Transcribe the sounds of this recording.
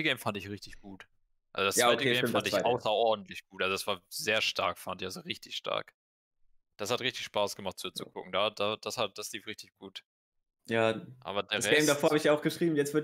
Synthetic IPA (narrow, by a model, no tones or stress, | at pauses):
əɡɛɪmfandɪçʁɪçtɪçɡ̥uːt | ʔalzodasjaaaɪtəɡɛɪfandɪçʔaʊsɐʔɔɐdn̩tlɪçɡ̥uːtʔalzod̥asv̥aːɐzeːɐʃtʰa̰ɐkfandɪçalzoʁɪçtɪçʃtʰa̰ɐk | d̥ashatʁɪçtɪçʃpaːsɡ̥əmaχt̚z̥uːt͡sukʰʊ̰kŋ̩daːd̥aːd̥ashat̚d̥asliːfʁɪçtɪçɡ̥uːt | jaːʔa̰ːbɐdeːɐɛɛːmdafoːɐhaɪçjaʊxɡ̥əʃʁ̥iːbm̩jɛt͡svɪɐt